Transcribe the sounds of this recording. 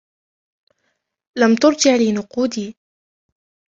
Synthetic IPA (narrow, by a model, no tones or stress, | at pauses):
lamt̪ʊɾˤd͡ʒɪʕliːnʊquːd̪iː